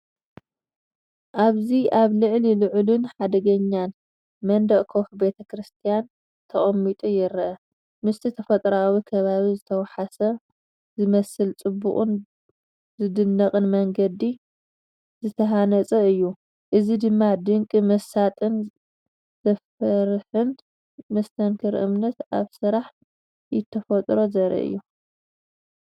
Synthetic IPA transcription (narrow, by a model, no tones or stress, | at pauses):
ʔaβziʔaβlɨʕlilɨʕlunħad̪ɐɡɐɲːan | mɐnd̪ɐʔʼkʰoxbe̞t̪ʰɐkʰɾɨst̪ʰijan | t̪ʰɐχʼɐmːit̪ʼujɪɾʔɐ | mɨst̪ʰit̪ʰɐfɐt̪ʼɾawikʰɐβaβizɨt̪ʰɐwħasɐ | zɨmɐsɨlt͡sʼɨbːṵχʼun | zɨd̪ɨnːɐqʼɨnmɐŋɡɐd̪i | zɨt̪ʰɐɦanɐt͡sʼɐɨjːu | ʔɨzid̪ɨmːad̪ɨŋkʼɨmɐsat̪ʼɨn | zɐfɐɾħɨn | mɐst̪ʰɐnkʰɨɾʔɨ̰mnɐt̪ʔaβsɨɾaħ | jɪt̪ʰːɐfɐt̪ʼɾo̞zɐɾɐ̰ʔɨ̰jːu